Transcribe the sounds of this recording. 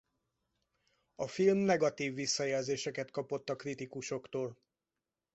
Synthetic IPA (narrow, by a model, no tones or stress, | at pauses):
ɒfilmnɛɡɒt̪iːvːisːɒjɛlzeːʃɛkɛt̪kɒpo̞t̪ːɒkrit̪ikuʃo̞kt̪oːl